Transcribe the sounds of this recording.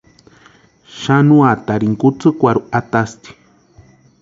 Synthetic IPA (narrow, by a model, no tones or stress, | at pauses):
ʃanuat̪aɾiŋkut͡sɨkʷaɾuat̪ast̪i̥